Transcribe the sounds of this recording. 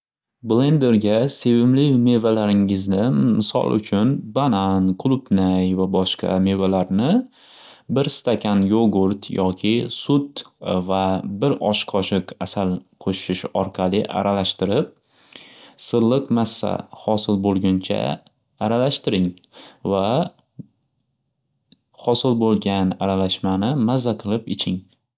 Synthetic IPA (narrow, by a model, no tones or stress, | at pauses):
blˠe̞nd̪e̞ɾɡʲase̞vɪmlɪme̞valaɾɪŋɪznɪmɪsɒ̰lˠʊ̰t͡ʃʰʊnbananqʰʊlˠʊpnajvabɒʃqʰɑ̰me̞valaɾnɪ | bɪɾst̪akʲʰanjoɡʊɾt̪jɒkʲʰɪsʊt̪vabɪɾɒʃqʰɒʃɪqasalqʰoʃɪʃɒɾqʰɑlɪʔa̰ɾʔalaʃt̪ɪɾɪp̚ | sɨɾlˠːɨqmasːa̰hɒsɪlbolˠɡʲʊnt͡ʃʰa̰ | aɾalaʃt̪ɪɾɪŋ | va | hɒsɪlbolˠɡʲanaɾalaʃmanɪmazːaqʰɨlˠɪpɪ̰t͡ʃʰɪŋ